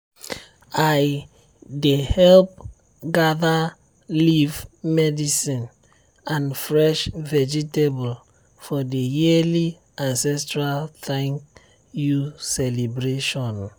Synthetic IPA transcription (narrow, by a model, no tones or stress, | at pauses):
aj | dehɛlp̚ | ɡaða | livmɛdisĩn | ãnfɹɛʃvɛd͡ʒitebɔl | fɔdejili | ãnsɛstɹalθãŋk | jusɛlibɹeʃɔ̃n